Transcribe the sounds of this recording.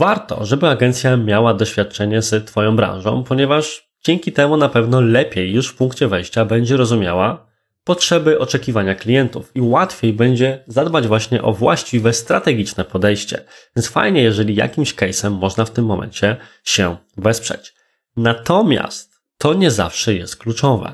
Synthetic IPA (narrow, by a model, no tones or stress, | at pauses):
vaɾt̪ɔ̰ʐɛbɘaɡɛnt̪sʲjamʲjawad̪ɔɕfʲjat̪̚t͡ʂɛɲɛzɛt̪fɔjɔ̃w̃bɾã̰ñʐɔ̰̃w̃pɔɲɛvaʐ | d͡ʑɛŋkʲit̪ɛmunapɛvnɔlɛpʲjejːuʂfpuŋkt͡ɕɛvɛjɕt͡ɕabɛɲd͡ʑɛɾɔzumʲja̰wa | pɔtʂɛbɘʔɔt͡ʂɛkʲivaɲaklʲijɛnt̪ufiwat̪fʲjejbɛɲd͡ʑɛzad̪bad͡ʑvwaɕɲɛʔɔvwa̰ɕt͡ɕivɛst̪ɾat̪ɛɡʲit͡ʂnɛpɔd̪ɛjɕt͡ɕɛ̰ɛnsfa̰jɲɛjɛʐɛlʲija̰kʲimɕkɛjsɛmːɔʐnaft̪ɘmːɔmʔɛ̰ɲt͡ɕɛ | ɕɛ | vɛspʂɛ̰t͡ɕ | nat̪ɔmʲja̰st̪ː | ɔɲɛza̰fʂɛjɛst̪̚klut͡ʂɔvɛ̰